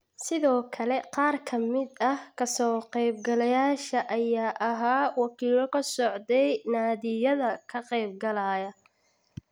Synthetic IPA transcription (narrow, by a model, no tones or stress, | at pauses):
sɪðɔːkʰɐlɛqɑːrkʰɐmɪd̪ɐhkʰɐsɔːqɛjbɡɐlɐjaːʃɐʔɐjaːʔɐɦaːwɑkʰiːlɔkʰɐsɔʕd̪ɛjnaːðɪjɐðɐkʰɐqɛjb̚ɡɐlaːjɐ